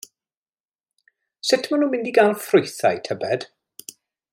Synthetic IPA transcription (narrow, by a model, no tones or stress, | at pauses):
sɪtʰmanuːmɪndiɡaːnfrʊjθa̰jtʰəbɛd̥